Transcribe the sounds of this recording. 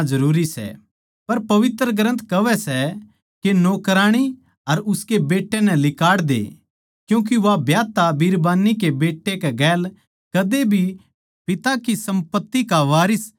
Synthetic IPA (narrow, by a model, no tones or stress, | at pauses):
zɐɾuːɾisɛ̰ | pɐɾpɐʋɪt̪ɾəɡɾə̃nt̪kɐʋɛsɛ | kenoːkɾaːɽ̃i | ɐɾʊskebeːʈːenɛ̃lɪkaːɽd̪ḛ | kjũːk̬iʋabjaːt̪abiːɾbaːnːik̬ebeːʈːekɛɡɛːl | kɐd̪ebʱi | pɪt̪akisɐ̃mpət̪ːikaʋaːɾɪs